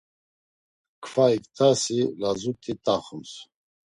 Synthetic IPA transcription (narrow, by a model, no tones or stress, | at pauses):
kʰfaikt̪ʰasilazut̪ʼit̪ʼaχums